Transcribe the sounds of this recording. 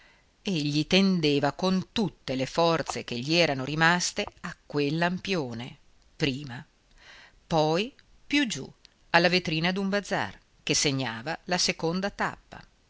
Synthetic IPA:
eʎːit̪end̪eːvakont̪ut̪ːelefɔrt̪sek̟eʎːiɛːɾanoɾimast̪eakːwelːampjoːne | pɾiːma | pɔj | pjud͡ʒṵ | alːavet̪ɾiːnad̪uɱbad̪za̰r | kesːeɲːaːvalasekond̪at̪a̰pːa̰

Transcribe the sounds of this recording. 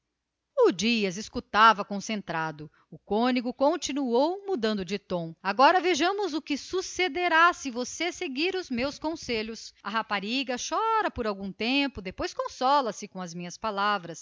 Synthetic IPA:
ʊd͡ʒiɐzɪskut̪avɐkõsẽnt̪ɾad̪ʊ | ʊkõniɡʊkõnt͡ʃinuowmud̪ɐ̃nd̪ʊd͡ʒɪt̪õw̃aɡɔɾɐveʒɐ̃mʊzʊkɪsused̪eɾasɪvoseseɡiɾʊzmewskõseʎʊsɐɦapaɾiɡɐʃɔɾɐpoɾawɡũt̪ẽpʊd̪epojskõsɔlɐsɪkõɐzmĩɲɐspalavɾɐs

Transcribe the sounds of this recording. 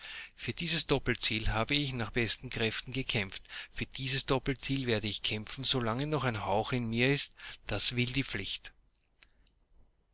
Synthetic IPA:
fyːɐd̥iːzəsd̥ɔpl̩t͡siːlɦaːbəɪçnaːχb̥ɛstn̩kʁ̥ɛftn̩ɡəkʰɛmftfyːɐd̥iːzəsd̥ɔpl̩t͡siːlveːɐdəɪçkʰɛmfn̩zolaŋənɔχæɪnhaʊxɪnmiːɐɪstd̥asvɪldiːp͡flɪçt

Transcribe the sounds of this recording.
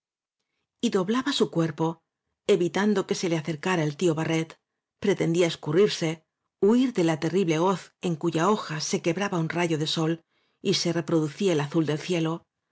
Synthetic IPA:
iðo̞βlaβasukwe̞ɾpo̞ | e̞βit̪and̪o̞ke̞se̞le̞aθe̞ɾkaɾaelt̪io̞βare̞t̪ | pɾe̞t̪e̞nd̪iae̞skuriɾse̞ | uiɾðe̞lat̪e̞riβle̞o̞θe̞ŋkuʝao̞xase̞ke̞βɾaβaunraʝo̞ðe̞so̞l | ise̞re̞pɾo̞ðuθiaelaθuld̪e̞lθje̞lo̞

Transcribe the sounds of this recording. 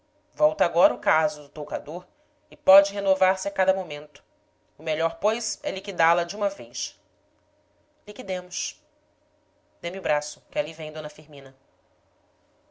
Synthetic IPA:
vɔwt̪ɐaɡɔɾɐʊkazʊd̪ʊt̪owkad̪oɾ | ɪpɔd͡ʒɪɦenovaɾsɪakad̪ɐmomẽnt̪ʊ̥ | ʊmeʎɔɾpojsɛlikid̪alɐd͡ʒɪũmɐvejʃ | likid̪ẽmʊʃ | d̪̥ẽmiʊbɾasʊkɪalivẽj̃d̪õnɐfiɾmĩnɐ

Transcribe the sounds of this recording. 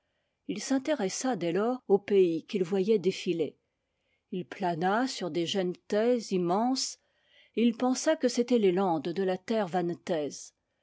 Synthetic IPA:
ilsɛ̃t̪eʁɛsad̪ɛlɔːʁopeikʲilvwajɛd̪efile | ilplanasyʁd̪eʒɛnt̪ɛzimɑ̃s | eilpɑ̃sakəset̪ɛlelɑ̃d̪d̪əlat̪ɛʁvant̪ɛz

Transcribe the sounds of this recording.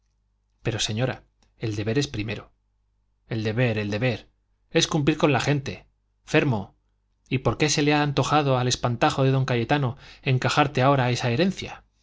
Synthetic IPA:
pe̞ɾo̞se̞ɲo̞ɾa | e̞ld̪e̞βe̞ɾe̞spɾime̞ɾo̞ | e̞ld̪e̞βe̞ɾe̞ld̪e̞βe̞ɾ | e̞skump̬liɾko̞nlaxe̞nt̪e̞ | fe̞ɾmo̞ | ipo̞ɾke̞se̞leaːnt̪o̞xaðo̞ale̞spant̪axo̞ðe̞ðo̞ŋkajʝe̞t̪ano̞e̞ŋkaxaɾt̪eao̞ɾae̞sae̞ɾẽ̞n̟θja

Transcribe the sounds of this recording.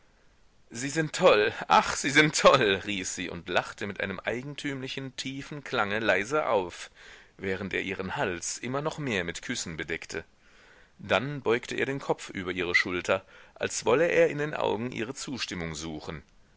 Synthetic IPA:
z̥iːzɪntʰːɔlʔa̰χz̥iːzɪntʰːɔlʁiːfz̥iːʔʊ̰ntlaχtəmɪtʔaɪnəmʔa̰ɪɡŋ̩tʰyːmlɪçn̩tʰiːfn̩kʰl̥aŋəlaɪzəʔa̰ʊfvɛːʁ̞əntʔḛːɐʔiːʁ̞ənhalsʔɪmɐnɔχmeːɐmɪtkʰʏsn̩bədɛktʰə | d̥anbɔʏktʰəʔeːɐdeːnkʰɔp͡fʔy̰ːbɐʔiːʁ̞əʃʊltʰɐʔalsv̥ɔləʔeːɐɪndeːnʔa̰ʊɡŋ̩ʔḭːʁət͡suːʃtɪmʊŋzuːxn̩

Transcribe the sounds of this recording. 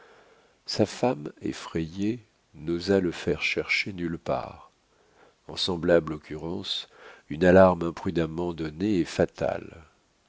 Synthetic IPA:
safamḛfχɛje | nozaləfɛʁʃɛʁʃenylpa̰ːʁ | ɑ̰̃sɑ̃blablɔkʲʰyʁɑ̃synalaʁmɛ̃pχyd̪amɑ̃d̪ɔneɛfat̪a̰l

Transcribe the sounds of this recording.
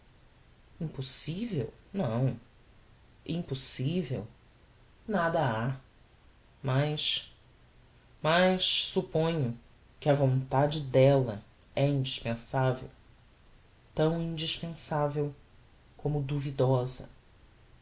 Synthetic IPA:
ĩpusivḛwnɐ̃w̃ | ĩpusivḛw | nad̪ɐa | majʃ | mɐjʃsupõɲʊ | kɪɐvõnt̪ad͡ʒɪd̪ɛlɐ | ɛĩnd͡ʒiʃpẽsavḛw | t̪ɐ̃w̃ĩd͡ʒiʃpẽsavew | kʰõmʊd̪uvid̪ɔzɐ̰

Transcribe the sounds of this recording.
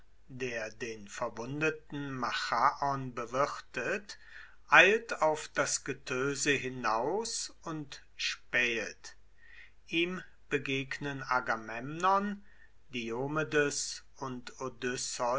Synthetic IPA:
deːɐdeːnfɛɐvʊndətn̩maxaʔɔnbəvɪʁtʰət | ʔaɪltaʊfd̥asɡ̥ətʰøːzəɦɪnaʊsʊnt | ʃpɛːt | ʔiːm | b̥əɡeːɡnənaɡamɛmnɔn | d̥ioːmedʊs | ʊntodʏsɔ

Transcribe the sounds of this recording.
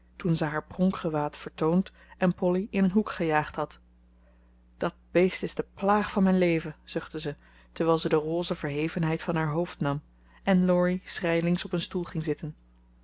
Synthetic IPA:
tunzəɦaːɹprɔŋkχəʋaːtfəɹtownt | ʔɛnpɔliɪnənɦukχəjaːχtɦɑt | d̥ɑt̚b̥ejstɪzdəplaːχfɑnmɛjnlejvəz̥ɵχtəzə | təɹʋɛːlˠzədəroːzəvəɹɦejvənɦɛjtfɑnɦaːɹɦowftnɑm | ʔɛnlɔɹisrɛjlɪŋsɔpənstulˠχɪŋzɪtən

